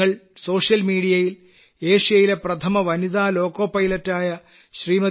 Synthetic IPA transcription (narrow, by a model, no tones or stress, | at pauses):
ɐɭso̞ːʂjɐlmiːɽijɐjil | eːʂijɐjile̞prɐt̪ʰɐmɐʋɐniðaːlo̞ːkoːpːɐjlɐtːaːjɐ | ɕriːmɐ